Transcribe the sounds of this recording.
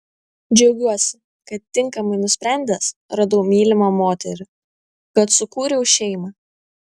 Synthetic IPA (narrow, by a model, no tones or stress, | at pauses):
d͡ʒʲɛʊɡʲuɔsʲɪ | kɐt̪ːʲɪŋkɐmɐɪnʊsʲpʲɾʲæˑnʲd̪ʲɛsɾɐd̪ɐʊmʲiːlʲɪmoːmoːt̪ʲɛɾʲʊ | kɐt̪sʊkuːɾʲɛʊʃʲɛɪmɑː